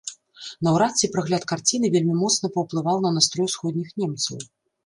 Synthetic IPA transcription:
nɐwɾat̪sʲipɾɨɣlʲat̪kart͡sʲinɨvʲelʲmʲimɔt̪snɐpɐwplˠɨvawnɐnast̪ɾɔjsxɔd̪ʲnʲixnʲɛmt̪sɐw

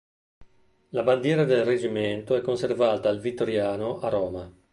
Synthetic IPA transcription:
laband̪jɛːɾad̪elred͡ʒiment̪oɛkːonservaːt̪aːlvit̪ːoɾjaːnoʔaɾɔːma

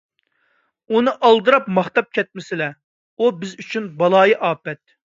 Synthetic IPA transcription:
unɨʔɑlˠd̪ɨɾɑpmɑχt̪ɑp̚kʲʰɛt̪̚mɪsɪlɛ | ubɪzyt͡ʃʰynbɑlˠɑːjiʔɑːpɛt̪̚

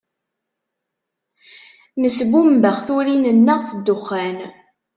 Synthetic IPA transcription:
nəsbumbəʁθʊɾinənːəʁθəd̪ːʊχːæn

